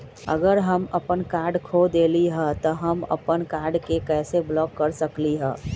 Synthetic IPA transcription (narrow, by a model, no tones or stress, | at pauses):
ə̰ɡəɾɦəməpənkaːɾɖkʰod̪eːliɦɛt̪ɔɦəmə̰pənkaːɾɖkekɛːseblɔːkːəɾsəkliɦɛ̰ː